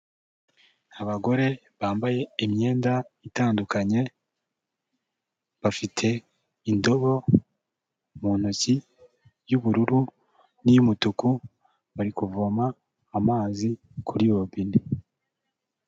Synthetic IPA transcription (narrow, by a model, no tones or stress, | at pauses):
aβaɡo̞ɾe̞ | βaːmbaje̞imɲe̞ːndaitaːndukaɲe̞ | βafitʰe̞ | indo̞βo̞ | muːn̥uci | juβuɾuɾu | nijumutuku | βaɾikuvuamaː | maːzi | kʰuɾiβobini